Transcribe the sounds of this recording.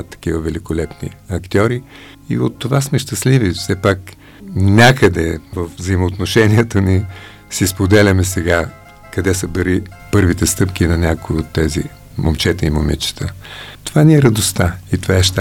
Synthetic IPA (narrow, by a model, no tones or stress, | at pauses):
t̪ːɐ̥k̟ivəvɛlikolɛpnḭɐkt̪ʲjɔɾi | ḭot̪ːovasmɛʃt̪ɐslivifsɛpak | nʲakəd̪ɛvəfzəimoːt̪noʃɛniɛt̪əni | sispod̪ɛlʲɐmɛsɛɡa | kɐd̪ɛsəb̪ɛɾi | pɤɾvit̪ɛst̪ɤpk̟ʲinɐnʲakʊiot̪ːɛzḭ | momt͡ʃɛt̪əimomɛt͡ʃə̥t̪ət̪ovaniɛɾɐd̪ost̪ait̪ovaɛʃt̪a